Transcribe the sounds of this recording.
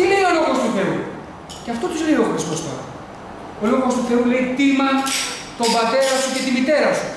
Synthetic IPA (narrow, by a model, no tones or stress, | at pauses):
t̪ileio̞lo̞ɣo̞st̪uθe̞u | ceɐft̪o̞t̪uziloɣot̪espost̪ɐ̰ | oloɣost̪uθe̞ule̞it̪imɐt̪o̞mbɐt̪e̞ɾɐsuce̞t̪imit̪e̞ɾɐsu̥